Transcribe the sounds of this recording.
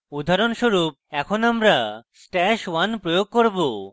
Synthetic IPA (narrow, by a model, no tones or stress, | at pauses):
ud̪ʱaɾonʃoɾup̚ɛkʰonamɾasʈɛʃwanpɾojoɡ̚koɾbo